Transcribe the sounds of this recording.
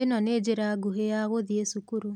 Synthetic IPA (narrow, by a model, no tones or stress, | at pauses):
enɔned͡ʒeɾaɡuɦejaɣoðiesukuɾu